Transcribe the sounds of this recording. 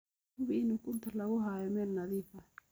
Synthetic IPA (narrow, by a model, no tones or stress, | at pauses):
ʊbiɪnukʰʊnt̪ʰɐlɐɣʊɦaːjɔmɛːlnɐðiːfɐ